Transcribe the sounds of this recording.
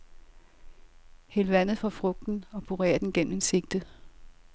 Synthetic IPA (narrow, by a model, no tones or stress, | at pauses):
helʋæn̰ð̩ˠfɒ̽fʁɔ̽ɡ̥̚d̥n̩ɒ̽pʰuʁḛːɐd̥en̩ɡ̥en̰m̩e̝nse̝ɡ̥̚d̥ə